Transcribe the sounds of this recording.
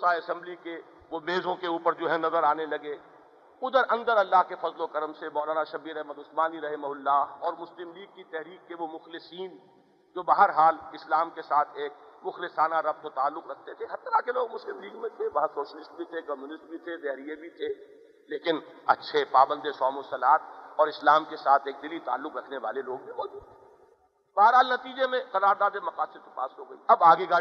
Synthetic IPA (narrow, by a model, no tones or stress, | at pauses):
saɐsɛ̃mblike | ʋomeːzõkeuːpəɾd͡ʒoːɦɛnɐzəɾaːnelɐɡe | ʊd̪əɾɐ̃nd̪əɾɐlːaːɦkefɐzlokɐɾəmsemɔːlaːnaʃɐbiɾɛɦməd̪ʊsmaːniɾɐɦɪmɐɦʊlːaːɔːɾmʊslɪmliːɡ̚kːit̪ɛɦɾiːk̚keʋomʊxlɪsiːn | d͡ʒoːbaɦəɾɦaːlɪslaːmkesaːt̪ʰeːk̚mʊxlɪsaːnaɾɐb̚t̪̚ot̪aːlːʊqɾɐk̚ʰt̪et̪ʰeɦɐt̪ːɾakeloːɡmʊslɪmliːɡmẽt̪ʰeʋɐɦãsoːʃəlɪsʈ̚bʱit̪ʰekɔmjuːnɪsʈ̚bʱit̪ʰed̪ɛɦɾijebʱit̪ʰe | leːkɪnɐ̰tːʃʰepaːbə̃nd̪esɔːmʊsɐlaːt̪̚ʰɔːɾɪslaːmkesaːt̪ʰeːk̚d̪ɪlit̪a̰ːlːʊqɾɐkʰneʋaːleloːɡ̚bʱiʋoːd͡ʒuːd̪ | e | bɐɦəɾɦaːlnɐt̪iːd͡ʒemẽqɐɾaːɾd̪aːd̪emɐqaːsɪɾt̪opa̰ːsɦoːɡɐḭɐbaːɡeɡaː